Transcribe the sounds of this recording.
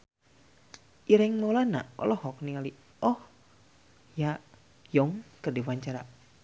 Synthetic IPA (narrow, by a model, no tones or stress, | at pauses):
ʔiɾɛŋmolana̰ɔ̰lɔhɔk̚niŋali | ɔh | ja | jɔŋkərdiwaɲt͡ʃaɾa